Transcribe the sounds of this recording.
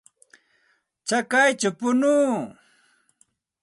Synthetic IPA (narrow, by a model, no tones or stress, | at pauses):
t͡ʃakajt͡ʃʊpʊnuː